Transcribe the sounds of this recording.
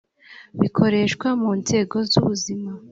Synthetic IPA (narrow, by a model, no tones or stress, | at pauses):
βikʰo̞ɾe̞ʃkwamuːnze̞ːɡo̞zṵβuzima